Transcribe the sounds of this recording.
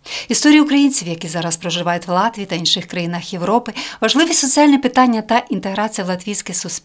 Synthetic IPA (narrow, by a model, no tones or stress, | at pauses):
ist̪ɔɾʲijiukɾɐjinʲt͡sʲiwjɐkʲizɑɾɐspɾɔʒɪʋɑjʊtʲʋlˠɑt̪ʲʋʲiːt̪ɐinʃɪxkɾɐjinɐxje̞ʋɾɔpɪʋɐʒlˠɪʋʲisʲɔt͡sʲialʲnɛpɪt̪ɑnʲːɐt̪ɐʔint̪e̞ɦɾɑt͡sʲijɐʋlˠɐt̪ʋʲijsʲkɪsus